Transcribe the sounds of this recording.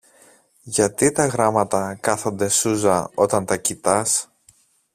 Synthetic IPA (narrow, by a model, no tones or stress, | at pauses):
ʝɐt̪it̪ɐɣɾɐmɐt̪ɐkɐθo̞nd̪e̞suzɐo̞t̪ɐnt̪ɐcit̪ɐs